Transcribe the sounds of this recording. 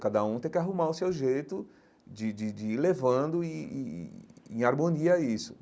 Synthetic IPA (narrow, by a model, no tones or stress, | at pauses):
kad̪ɐũt̪ẽkɪaɦũmaɾʊsewʒejt̪ʊ | d͡ʒɪd͡ʒɪd͡ʒɪilevɐ̃nd̪ʊiḭẽaɾmõniɐisʊ̥